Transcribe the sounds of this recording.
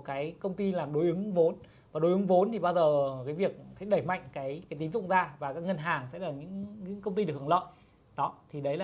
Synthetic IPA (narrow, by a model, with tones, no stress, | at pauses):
kaː˨˦jkə˧wŋ͡mt̪i˧laː˨˩mɗo˨˦jʔɨ˨˦ŋvo˨˦n | vaː˨˩ɗo˨˦jʔɨ˨˦ŋvo˨˦nt̪ʰi˨˩ɓaː˧zəː˨˩kaː˨˦jvi˨˩ək̚sɛ̰˧˥ɗə˧˩jma̰˧˨jŋ̟kaː˨˦jkaː˨˦jt̪i˨˦mzʊ̰˧˨ŋ͡mzaː˧vaː˨˩kaː˦˥k̚ŋə˧nɦaː˨˩ŋsɛ̰˧˥laː˨˩ɲɨ̰˧˥ŋɲɨ̰˧˥ŋkə˧wŋ͡mt̪i˧ɗkʰːlə̰˧˨j | ɗɔ˨˦t̪ʰi˨˩ɗə˨˦jlaː˨˩